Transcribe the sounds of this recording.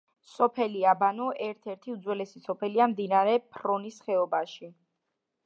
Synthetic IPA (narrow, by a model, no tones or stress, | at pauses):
sɔpʰɛliabanɔʔɛɾt̪ʰɛɾt̪ʰiud̪zwɛlɛsisɔpʰɛliamd̪inaɾɛpʰɾɔnisχɛɔbaʃi